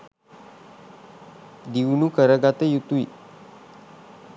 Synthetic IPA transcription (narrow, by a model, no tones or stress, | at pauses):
d̪iwnukəɾəɡat̪ejut̪uḭ